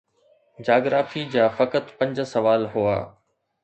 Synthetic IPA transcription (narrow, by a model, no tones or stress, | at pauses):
d͡ʑaːɡɾaːfid͡ʑaːfɐkət̪pɐ̃ɲd͡ʑsɐʋaːlɦua̰ː